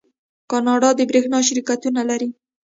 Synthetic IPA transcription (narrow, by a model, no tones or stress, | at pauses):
kɑnɑɖɑd̪əbɾexnɑʃ̬aɾikat̪unalaɾi